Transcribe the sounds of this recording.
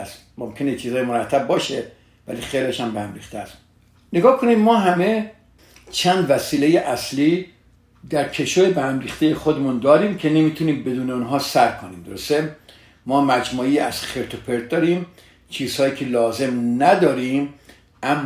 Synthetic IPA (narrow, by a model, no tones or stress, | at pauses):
st̪ | momkʰe̞neet͡ʃʰiːzɒːjemoɾæt̪ʰːæb̚bːɒːʃe | væ̰liːxejleʃæmbehæmɾiːxt̪eæst̪ | neɡɒːkʰonid̪mɒːɦæme̞ | t͡ʃʰæːnd̪væsiːle̞jeʔæsliː | d̪æɾkʰe̞ʃojebæhæmriːxt̪ejexod̪emund̪ɒːɾiːmkʰe̞ne̞miːt̪ʰuniːmbe̞d̪uːneunɦɒːsæɾkʰoniːmd̪oɾost̪e | mɒːmæd͡ʒmuːiːæ̰z̥xeɾt̪ʰopʰe̞ɾd̪̚d̪ɒːɾiːm | t͡ʃʰiːz̥hɒːjiːcʰe̞lɒːze̞mnæd̪ɒːɾiːm | ʔæmː